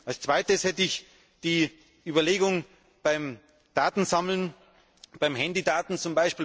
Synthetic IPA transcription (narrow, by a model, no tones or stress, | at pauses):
ʔalst͡sv̥aɪtəshɛtəɪç | d̥iː | ʔyːbɐleːɡʊŋ | b̥aɪm | d̥aːtn̩zaml̩n | b̥aɪmhɛndidaːtn̩t͡sʊmbaɪʃpiːl